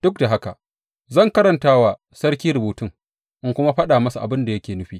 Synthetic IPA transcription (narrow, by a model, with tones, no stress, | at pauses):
d̥ʊ˦k̚da˨ɦa˦ka˨ʔ | zɐ˦˨ŋkɐ˦ɾɐ˨ntaː˦wa˨ | sɐ˦ɾkʲiː˦ɾʊ˨buː˨tɪ˦ŋ | ʔɪ˦ŋkʷʊ˦ma˦ɸɐ˦ɗaː˨mɐ˦su˨ʔa̰˨bɪ˦nda˨jɐ˦kʲeː˨nʊ˦ɸiː˦